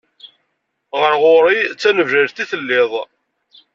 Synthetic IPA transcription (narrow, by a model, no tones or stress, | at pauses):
ʁəɾʁoɾit͡sːænəvʒæʒθiθəlːɪðˤ